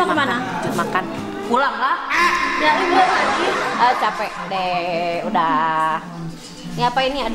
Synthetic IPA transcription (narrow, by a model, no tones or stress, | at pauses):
akmana | makan | kulaŋlahɲalibualad͡ʒiət͡ʃapɛk̚deudah | niapainiad